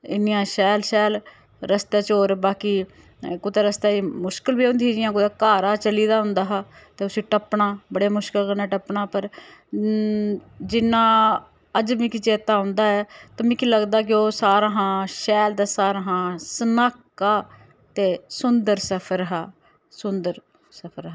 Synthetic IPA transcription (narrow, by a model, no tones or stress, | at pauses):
ɪ̰nɪjãːʃɛːlʃɛːl | ɾəst̪eːt͡ʃoːɾbaːkiː | kʊːt̪eːɾəst̪aːiːmʊʃkəlbiːõːnd̪iːd͡ʒɪjãːk̬ʊːt̪eːkaːɾaːt͡ʃəliːd̪aːɦʊ̃nd̪aːɦaːt̪eːʊsiːʈəpɳaːbəɽeːmʊʃkəlkənaːʈəpɳaːpəɾ | d͡ʒɪnãː | əd͡ʒʋĩːkɪt͡ʃeːt̪aːʊ̃nd̪aːɛːt̪əmĩːkiləɡd̪aːk̬ɪoːsaːɾaːɦãːʃɛːld̪aːsaːɾaːɦãːsənaːkːaː | t̪eːsʊnd̪əɾsəpʰəɾɦaː | sʊnd̪əɾ | səpʰəɾɦa